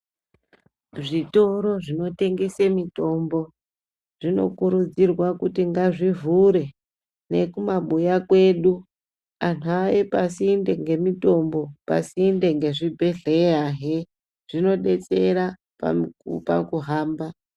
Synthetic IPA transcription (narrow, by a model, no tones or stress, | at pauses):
ʐito̞ɾo̞ʐino̞te̞ŋɡesemito̞mbo̞ | ʐ̥ino̞̰kuɾud͡zirwakutiŋɡaʐivuɾe̞ | ne̞kumaɓujakwe̞ɗu | an̤uaepasiːnde̞ŋɡe̞mito̞mbo̞pa̰siːnde̞ŋɡe̞ʐibʱeɮeaɦe | ʐ̥ino̞ɗe̞t͡se̞ɾa | pa̰mkṵpa̰kuɦaːmba